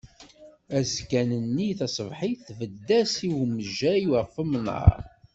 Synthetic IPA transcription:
æzkænənːiθɑsˤəvħiθvəd̪ːæsiwməʒæiwəfəmnɑ̰ɾ

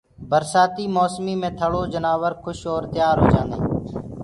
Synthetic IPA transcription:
bəɾsaːt̪iːmoːsmiːmẽːt̪ʰəɽoːd͡ʒənaːʋəɾkʰʊʃoːɾt̪ɪjaːɾɦo̰ːd͡ʒaːnḛː

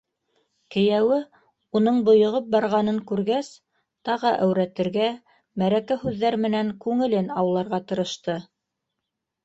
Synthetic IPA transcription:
kɘ̆jæwɘ | unɤɴbŏjŏʁɤp̚bɑɾʁɑn̪ɤŋkʉɾɡæs | t̪ɑʁɤʔæwɾæt̪ɘ̆ɾɡæ | mæɾækæhʉðːæɾmɘ̆næŋkʉŋɘ̆lɘnɑwlˠɑɾʁɑt̪ɤ̆ɾɤ̆ʃt̪ɤ

